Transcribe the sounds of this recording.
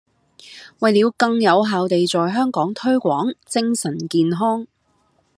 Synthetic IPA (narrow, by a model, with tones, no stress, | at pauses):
wɐ˨jliː˨˧wkɐ˧ŋjɐ˨˧wɦaː˨wt̪e˨jt͡sɔː˨jɦœː˥ŋkɔː˨˥ŋt̪ʰɵ˥ɥkʷɔː˨˥ŋt͡sɪ˥ŋsɐ˨˩nkiː˨nɦɔː˥ŋ